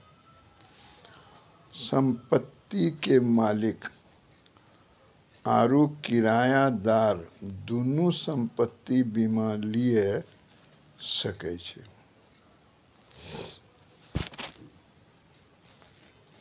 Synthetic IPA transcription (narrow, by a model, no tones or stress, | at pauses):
səmpət̪ːikemalik | aɾukiɾajad̪aɾd̪unusəmpət̪ːibimalije | səkɛt͡ʃʰɛ